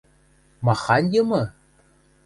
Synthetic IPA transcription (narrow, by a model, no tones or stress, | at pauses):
mɑχɑnʲjɤmɤ